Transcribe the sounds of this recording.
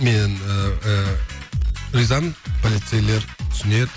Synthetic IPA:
men | ɾijzɑmənpʰolʲit̪sejle̞ɾt̪ʰʏ̥sɪneɾ

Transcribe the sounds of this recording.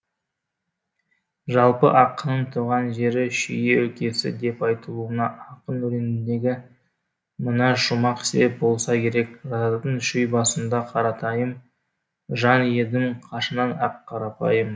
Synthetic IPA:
ʒɑlˠpə̰ʔɑqːənəɴt̪ʰuʁɑnʒe̞ɾɪʃije̞ɵkʲʰe̞sɪ̰d̪e̞pɑjt̪əlˠuənɑʔɑqənɵɾe̞nɪnd̪e̞ɡʲɪ | mənɑʃʊmɑqsep̚bo̞lˠsɑkʲʰe̞ɾe̞kɾɑd̪əɴʃʏjbɑsənd̪ɑqʰɑɾɑt̪ɑjəm | ʒɑnje̞d̪ɪŋqʰɑʃənɑnɑqʰːɑɾɑpɑjəm

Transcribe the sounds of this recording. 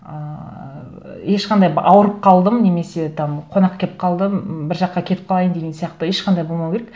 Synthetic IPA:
ə | je̞ʃqʰɑnd̪ɑjɑwəɾəp̚qʰɑlˠd̪əmne̞me̞se̞t̪ʰɑmqʰo̞nɑqkʲʰe̞ɪp̚qʰɑlˠd̪əmbɪɾʒɑqːɑkʲʰe̞t̪ɪp̚qʰɑlˠɑjənd̪eɡʲe̞nsijɑqt̪əe̞ʃqʰɑnd̪ɑjbo̞lˠmɑwkʲeɾek

